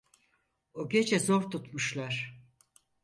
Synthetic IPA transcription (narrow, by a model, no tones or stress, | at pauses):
oɟed͡ʒɛzo̞ɾt̪ut̪muʃlˠaɾ̥